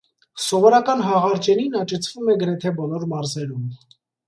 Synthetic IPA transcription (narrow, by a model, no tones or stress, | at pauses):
sɔvɔɾɑkɑnɦɑʁɑɾt͡ʃɛninɑt͡ʃɛt͡sʰv̥umɛɡəɾɛt̪ʰɛbɔlɔɾmɑɾzɛɾum